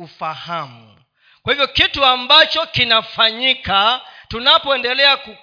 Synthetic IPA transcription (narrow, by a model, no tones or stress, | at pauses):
ufahamu | kwahivjɔkituambat͡ʃɔkinafaɲikatunapɔɛndɛlɛaku